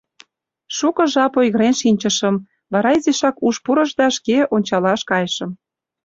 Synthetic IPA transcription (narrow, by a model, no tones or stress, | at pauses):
ʃukɤ̆ʒɑpojɣə̆ɾenʃinʲt͡ɕə̆ʃə̆m | βɑɾɑizeʃɑkuʃpuɾə̆ʒd̪ɑʃkeonʲt͡ɕɑlɑʃkɑjəʃə̆m